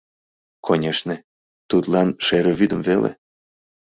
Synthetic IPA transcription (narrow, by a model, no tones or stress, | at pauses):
kʰonʲeʃne | t̪ut̪lɑnʃeɾeβyd̪əmvelḛ